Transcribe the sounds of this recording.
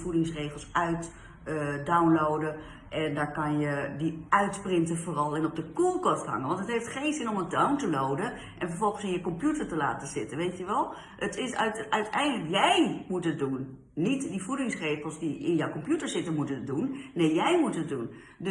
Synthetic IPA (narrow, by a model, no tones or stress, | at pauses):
fudɪŋsreːxəl̩ˠsœɥt | dawnlowdə | ʔɛndaːɹkanjədiœɥtprɪntəfoːrɔlˠɪnɔp̚dəkulˠkɔstɦa̰ŋənʋɔntətɦeftxeːnzɪnɔməndawntəlowdə | ʔɛnfəɹfɔlˠɣənsɪnjəkɔmpjutəɹtəla̰ːtəzɪtəʋeːtjəʋɛlˠ | ətɪsœɥtʰɛjndələkjɛjmutət̚dunː | itdifudɪŋsreχəlˠsdiɪ̰njɔwkɔmpjutəɹsɪtəmutət̚dunːeːjɛjmutət̚dun | d